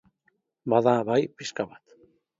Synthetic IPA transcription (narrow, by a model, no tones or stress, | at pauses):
baðaβajpɪʃkaβat̪